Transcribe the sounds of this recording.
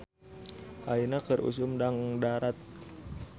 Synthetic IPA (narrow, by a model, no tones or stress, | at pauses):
ʔainakərʔṵs̬ʊmdaŋdaɾat̪̚